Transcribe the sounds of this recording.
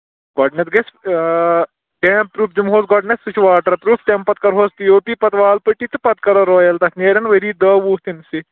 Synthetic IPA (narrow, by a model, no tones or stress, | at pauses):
ɡɔːɖnet̪ɡes | ʈẽːp̚pɾuːpd͡ʒumɦoːsɡɔːɖnessut͡ʃʰuʋaːʈɐɾpɾuːfʈ̪ʲẽmpɐt̪̚kɐɾɦoːst̪ijoːpiːpɐt̪ʋaːlpəʈit̪ɨpɐt̪kɐɾɐɾɔːjɐlt̪ɐkneːɾɐnʋɐɾiːd̪ɐʋuːt̪insi